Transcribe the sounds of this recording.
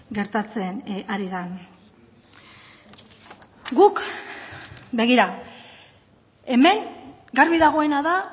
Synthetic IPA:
ɡe̞ɾt̪at͡se̞naɾiðan | ɡuk | be̞ɣ̞iɾa | e̞me̞ŋ | ɡaɾβiðaɣ̞o̞e̞naða

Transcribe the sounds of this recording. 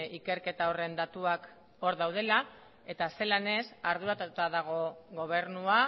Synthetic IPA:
ike̞ɾke̞t̪ao̞re̞nd̪at̪uak | o̞ɾðawð̞e̞la | e̞t̪ase̞lane̞saɾð̞uat̪uut̪aðaɣ̞o̞ɣo̞β̞e̞ɾnua

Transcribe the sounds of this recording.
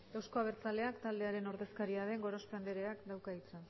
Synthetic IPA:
ɡ̥awsko̞aβ̞e̞ɾt͡sale̞akt̪ald̪e̞aɾe̞no̞ɾðe̞skaɾiaðe̞ŋɡo̞ɾo̞spand̪e̞ɾe̞akd̪awkait͡sen

